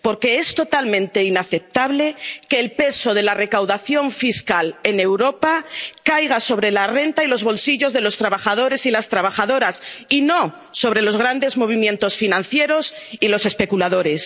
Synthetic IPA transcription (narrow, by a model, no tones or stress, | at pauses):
po̞ɾke̞est̪o̞t̪almẽnt̪e̞inaθe̞p̚t̪aβle̞ke̞ːlpe̞so̞ð̞e̞lare̞kawðaθjo̞ɱfiskale̞ne̞wɾo̞pakajɣ̞aso̞β̞ɾe̞lare̞nt̪ailo̞zβo̞lsiʎo̞zðe̞lo̞st̪ɾaβaxað̞o̞ɾe̞silast̪ɾaβaxaðo̞ɾasino̞ | so̞βɾe̞lo̞zɣ̞ɾand̪e̞zmo̞β̞imjent̪o̞sfinãnθje̞ɾo̞silo̞se̞spe̞kulaðo̞ɾe̞s